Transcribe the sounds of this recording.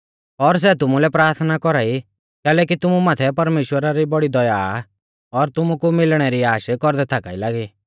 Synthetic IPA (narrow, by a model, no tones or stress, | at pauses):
ɔɾs̬ɛt̪̬ʊmulɛpɾaːɾt̪ʰnakɔɾaːi | kɛːlɛk̬it̪ʊmumaːt̪ʰɛpɐɾmeːʃwəɾaɾibɔɽid̪ɔja | ɔɾt̪ʊmukumɪlɽ̃ɛɾiaːʃkɔɾd̪ɛt̪ʰaːkaːilaːɡiː